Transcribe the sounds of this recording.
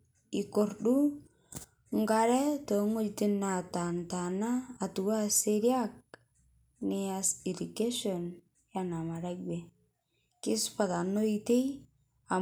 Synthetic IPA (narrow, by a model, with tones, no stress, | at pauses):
ikorɗu | ŋɡaɾɛ˦toŋo˦d͡ʒti˦nata˨ntanaː˨tu˨wa˦seɾjak̚ | nɪasi˨dike˦ʃon | jana˨ma˨ɾakbe | kɪ˦spa˨ta˨no˦ite˦j | a˨